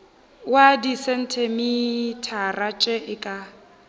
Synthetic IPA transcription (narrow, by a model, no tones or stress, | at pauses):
wadisɛn̩tʰɛmitʰarat͡ʃʼɛʔɪkʼa